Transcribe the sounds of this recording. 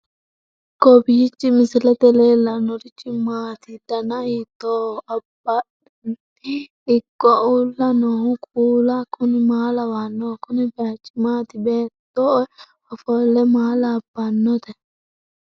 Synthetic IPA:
kɔbɪjɪt͡ʃːɪmɪsɪlɛt̪ɛleːlɐnɔɾɪt͡ʃʼːɪmaːt̪ɪd̪̥ɐnɐit̪ːoɐbɐ | ɪkʼːɔʔulːɐnɔhʊkʼuːlɐkʰʊnɪmaːlɐwanːɔkʊnɪbet͡ʃʼːɪmaːt̪ɪbeːt̪ːɔ | ɔfɔlɛmaːlɐːb̥ːɐnːɔt̪ɛ

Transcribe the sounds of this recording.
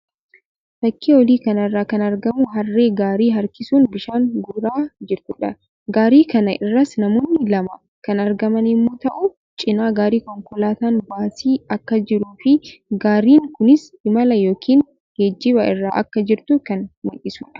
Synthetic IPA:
t̪ɐkːiːwɔliːkɐnɐrːaːkɐnɐɾɡɐmʊɦɐrːeːɡaːɾiːɦɐɾkɪsuːnbɪʃaːŋɡʊɾaːd͡ʒɪɾt̪ʊᶑɐ | ɡaːɾiːkɐnɐʔɪrːɐsnɐmoːnːɪlɐmɐ | kɐnɐɾɡɐmɐnɪmːoːt̪ɐʔʊ | t͡ʃʼɪnaːɡaːɾiːkɔŋkɔlaːt̪aːnbaːsiːɐkːɐd͡ʒɪɾuːfɪɡaːɾiːŋkʊnɪshɪmɐlɐjo̞ːkʰiːn | ɡ̥ed͡ʒːɪbɐʔɪrːaːʔɐ̰kːɐd͡ʒɪɾt̪ʊkɐnmɐʔɪsuːᶑɐ̥

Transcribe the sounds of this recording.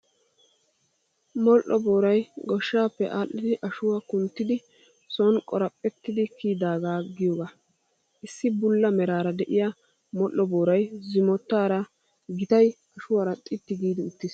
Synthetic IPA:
mɔlʔːɔboːɾɐjɡɔʃːaːpːɛʔaːʔːɪd̪ɪʔɐʃʊwakʊnt̪ːɪd̪ɪ | sɔnkʼɔɾɐpʼːɛt̪ːɪd̪ɪkiːd̪aːɡaːɡɪjoːɡa | ʔɪsːɪbʊlːɐmɛɾaːɾɐd̪ɛʔɪja | mɔlʔːɔbo̞ːɾɐjzɪmɔt̪ːaːɾɐ | ɡɪt̪ɐjʔɐʃʊwaːɾɐt̪ʼɪt̪ːɪɡiːd̪ɪʊt̪ːɪs

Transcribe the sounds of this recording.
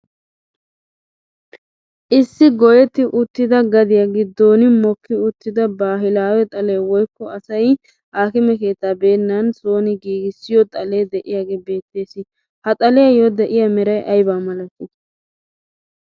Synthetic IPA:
ʔɪsːɪɡɔjɛt̪ːɪʔʊt̪ːɪd̪ɐɡɐd̪ɪjaɡɪd̪oːnɪmɔkʰːɪʊt̪ːɪd̪ɐbaːɦɪlaːwɛt̪ʼɐleːwɔjkːɔɐsɐj | haːkɪmɛke̞ːt̪ːabe̞ːnːɐnsoːnɪɡiːɡɪsːɪjɔt̪ʼɐle̞ːd̪ɛʔɪjaːɡeːbe̞ːt̪ːe̞ːsɪ | hɐt̪ʼɐlɛjɐjɔd̪ɛʔɪjɐmɛɾɐjʔɐjbaːmɐlɐt̪ːɪ

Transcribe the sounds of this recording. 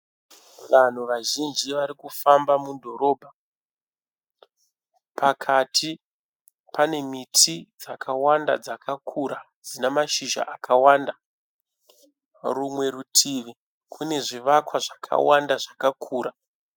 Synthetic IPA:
ʋan̤uʋaʒind͡ʒiʋaɾikufambamudʱo̞ɾo̞ːbʱa | pʰakʰatʰi | pane̞mitʰid͡zakawanda̰d͡zakʰakʰuɾa | d͡zinamaʃiʒa̰ʔakawaːnda | rumwe̞ɾutʰiʋi | kʰune̞ʐiʋakwaʐakʰa̰wandaʐakakʰuːɾa

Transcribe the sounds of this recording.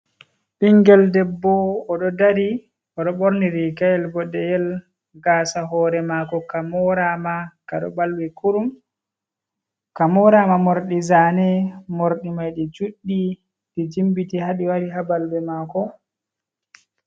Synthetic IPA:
ɓiŋɡɛldɛbːɔːɗɔdaɾi | ɔɗɔɓoɾniɾikajɛlbɔɗɛjɛl | ɡasaɦɔːɾɛmakɔkamɔɾamakaɗɔ̰balwɛkuɾum | kamɔɾamamoɾɗizaːnɛmoɾɗimajɗid͡ʒuɗːi | ɗid͡ʒimbitihaɗiwaɾiɦabalbɛmaːkɔ

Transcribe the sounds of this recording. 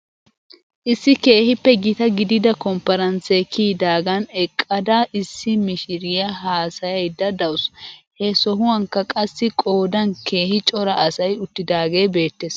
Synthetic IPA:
ʔɪsːɪke̞ːhɪpːɛɡɪt̪ɐɡɪd̪ɪd̪ɐkɔmpːɐɾɐnsekiːd̪aːɡɐnɛkʼːɐd̪ɐʔɪsːɪmɪʃɪɾɪjɐɦaːsɐjɐjd̪ɐd̪ɐwʊshɛsɔɦʊwɐŋkːɐkʼɐsːɪkʼo̞ːd̪ɐnke̞ːhɪt͡ʃʼɔɾɐʔɐsɐjʊt̪ːɪd̪aːɡeːbe̞ːt̪ːeːs

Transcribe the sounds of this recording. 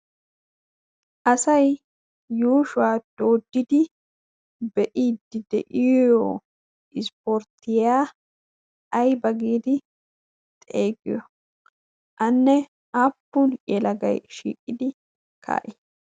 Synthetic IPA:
ʔɐsɐj | juːʃʊwaːd̪̥o̞ːd̪ːɪd̪ɪ | bɛʔiːd̪ɪd̪ɛ̰ʔɪjoː | ɪspɔɾt̪ːɪjaː | ɐjbɐɡiːd̪ɪ | t̪ʼeːɡɪ̰jɔ | ʔɐnːɛ | aːpːunjɛlɐɡɐ̰jʃḭːkʼːɪd̪ɪ | kʰa̰ːʔɪ

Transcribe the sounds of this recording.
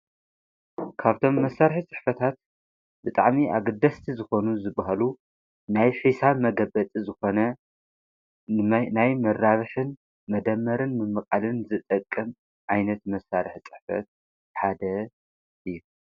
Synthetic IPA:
kʰaβt̪ʰo̞mːɐsaɾħit͡sʼɨ̥ħfɐt̪ʰat̪̚ | bɨt̪ʼaʕmiʔa̰ɡɨd̪ɐst̪ʰizɨxo̞nuzɨbaɦalu | najħisamɐɡɐbɐt͡sʼizɨxo̞nɐ | najmɐɾːaβɨħɨn | mɐd̪ɐmːɐɾɨnmɨmɨkʼalɨnzɨt̪ʼɐkʼːɨm | ʕajnɐt̪mɐsːaɾɨħt͡sʼɨ̥ħfɐ̰t̪̚ | ħad̪ɐ | ʔɨjːu

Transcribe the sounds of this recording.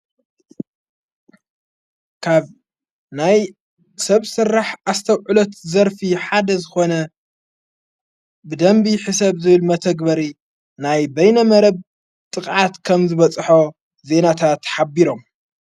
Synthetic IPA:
kʰaβ | naj | sɐβsɨrːaħast̪ʰɐwʕulot̪zɐɾfiħad̪ɐzɨxo̞nɐ | bɨd̪ɐmbiħɨsɐβzɨβɨlmɐt̪ʰɐɡbɐɾi | najbɐjnɐmɐɾɐβ | t̪ʼɨkʼʕat̪kʰɐmzɨβɐt͡sʼħo | ze̞nat̪ʰat̪ħabiɾo̞m

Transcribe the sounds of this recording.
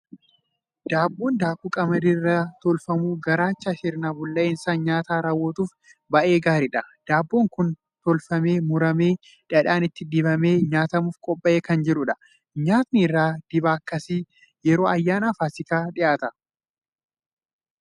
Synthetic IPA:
d̪̥aːbːoːnd̪aːkuːkʼɐmɐd̪irːɐt̪ɔlfɐmuːɡɐɾaːt͡ʃːɐʃɪɾnaːbʊlːɐʔɪnsaːnɲaːt̪aːɾaːwːoːt̪uːf | bɐʔe̞ːɡaːɾɪᶑɐd̪̥aːbːoːŋkʊn | t̪ɔlfɐme̞ːmʊɾɐme̞ː | ᶑɐᶑaːnɪt̪ːɪd̪ɪbɐme̞ːɲaːt̪ɐmuːfkʼɔpʼːɐʔeːkɐnd͡ʒɪɾʊᶑɐ̥ | ɲaːt̪nɪɪrːaːd̪̥ɪbaːɐkːɐsiː | jɛɾo̞ːɐjːaːnaːfaːsɪkaːᶑɪʔaːt̪ɐ

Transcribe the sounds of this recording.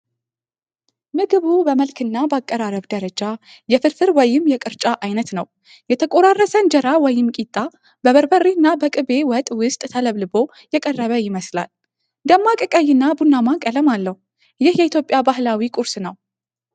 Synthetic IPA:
mɨɡɨβubəməlkʰɨnːabakʼːəɾaɾəβd̪əɾəd͡ʒa | jɛfɨɾfɨɾwɔjɪmjɛkʼɨɾt͡ʃʼaʔajnət̪nəw | jɛt̪ʰəkʼoɾarːəsənd͡ʒəɾawɔjɪmkʼit̪ʼːa | bəβəɾbərːinːabəkʼɨβe̞wət̪ʼwʊst̪ʼt̪ʰələβlɨbo̞ | jɛkʼərːəβəjɪməsla̰l | d̪əmːakʼɨkʼəjɪnːabunːamakʼələmalːəhu | jɪhjɛit̪ʰjo̞pʼjabahlawikʼuɾsnəw

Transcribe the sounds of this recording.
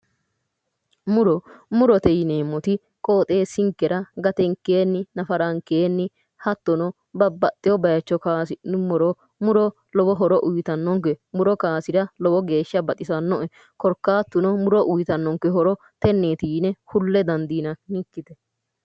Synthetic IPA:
mʊɾɔmʊɾɔt̪ɛjneːmːɔt̪ɪ | kʼoːt̪ʼe̞ːsɪŋkːɛɾɐɡɐt̪ɛŋkːeːnːɪnɐfɐɾɐŋkeːnːɪ | hɐt̪ːɔnɔ | bɐbɐt̪ʼːɪjɔbɐjɐt͡ʃːɔkaːsɪnʊmʊɾɔ | mʊɾɔ | lɔbɔɦɔɾɔʔʊjt̪ɐnːɔŋkɛmʊɾɔkaːsɪɾɐlɔbɔɡe̞ːʃːɐbɐt̪ʼɪsɐnːɔʔɛ | kɔɾkːaːt̪ːʊnɔmʊɾɔʔʊjt̪ɐnːɔŋkɛɦɔɾɔ | t̪ɛnːeːt̪iːnɛhʊlːɛd̪ɐnd̪iːnɐnɪkːɪt̪ɛ

